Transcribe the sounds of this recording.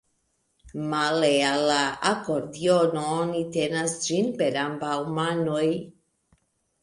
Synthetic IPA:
malealaakoɾd̪jɔnɔnit̪enasd͡ʒinpeɾambawmanoj

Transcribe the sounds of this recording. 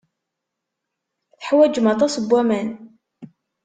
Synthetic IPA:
θəħwæd͡ʒmɑt̪ˤɑsəbːæmæn

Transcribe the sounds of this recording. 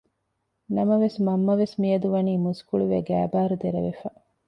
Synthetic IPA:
nɐmɐʋesmɐmːɐʋesmijɐd̪uʋɐniːmuskuɭuʋḛɡæːbaːɾud̪eɾɐ̰ʋefɐ

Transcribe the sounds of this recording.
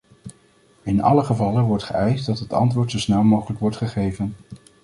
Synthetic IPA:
ɪnʔɑ̰ləχəvɑlənʋɔɹtχəɛjsdɑtɦətɑ̰ntʋʊːɹtsowsnɛlˠmowχələkʋɔɹtχəχejvən

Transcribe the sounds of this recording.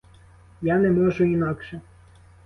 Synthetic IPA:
janɛmɔʒʊinɑkʃɛ

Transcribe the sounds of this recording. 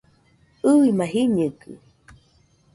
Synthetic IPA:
ɨimaɦiɲɨkɨ̰

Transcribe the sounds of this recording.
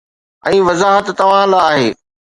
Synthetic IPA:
ɛ̃ːʋɐzaːɦət̪ːɐʋ̤ãlaːɦeː

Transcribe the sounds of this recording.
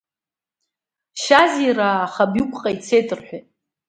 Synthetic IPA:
ʃaziraːχabjukʷʼqʼait͡sʰejtʰʼɨrħʷᶣat

